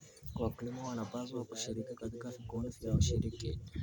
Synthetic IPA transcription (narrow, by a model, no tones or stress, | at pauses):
wakilimɔwanapazwakuʃiɾikikatikafikɔnivjauʃiɾiki